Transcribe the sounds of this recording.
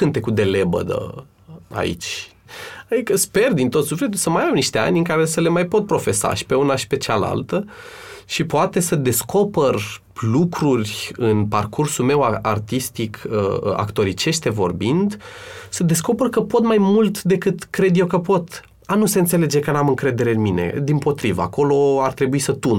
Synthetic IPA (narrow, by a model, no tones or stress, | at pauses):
ɨnt̪e̞kud̪e̞le̞bə̰d̪ə̰ | a̰ḭt͡ʃʲ | ad̪ikəspe̞rd̪int̪o̞t̪sufle̞t̪ulsəmajamniʃt̪ea̰nʲɨŋkaɾe̞səle̞majpo̞t̪̚pɾo̞fe̞sa̰ʃi̥pe̞unaʃi̥pe̞t͡ʃala̰lt̪ə | ʃipoat̪e̞səd̪e̞sko̞pər | lukɾurʲɨnparkursume̞waart̪ist̪ikʰə̰a̰kt̪o̞ɾit͡ʃe̞ʃt̪evo̞̰rbind̪səd̪e̞sko̞pərkəpo̞t̪majmult̪d̪e̞kɨt̪kɾe̞d̪je̞wkəpo̞t̪ | anuseɨnt̪se̞le̞d͡ʒe̞kənamɨŋkɾe̞d̪e̞ɾe̞ɨnmine̞̰d̪impo̞t̪ɾivə̰a̰ko̞lo̞art̪ɾe̞buisət̪un